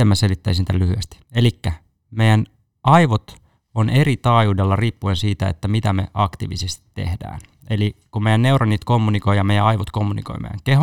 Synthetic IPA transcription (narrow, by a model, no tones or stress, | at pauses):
emːæselit̪ːæisinit̪ælyhyest̪i̥elikːæ | mejæn | ɑiʋot̪ | onʔe̞ɾit̪ɑːjuːdelːɑriːpːuensiːt̪æḛt̪ːæmit̪æmḛʔɑkt̪ḭːʋḭsest̪i̥t̪ːḛhdæ̰ːn | elikummejænːeuronːiːt̪komːuniko̞jɑmejæɑjʋot̪ko̞mːunḭko̰jmḛjæ̰ŋkeɦo